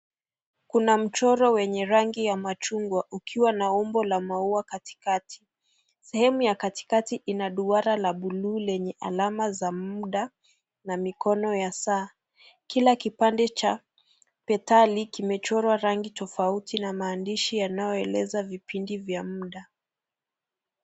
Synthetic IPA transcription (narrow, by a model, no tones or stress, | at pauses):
kunam̩t͡ʃɔɾɔwɛɲɛɾaŋɡijamat͡ʃuŋɡwaʔukʰiwanaɔmbɔlamauakati̥katʰi̥ | sɛhɛmujakati̥katiʔinaɗuaɾalaɓuluːlɛɲɛʔa̰lamazamuɗa | namikɔnɔjasaː | kilakipandɛt͡ʃa | pɛtalikimɛt͡ʃɔɾwaɾaŋɡitɔfautinamaːndiʃijanajɔɛlɛzavipindivjamuɗa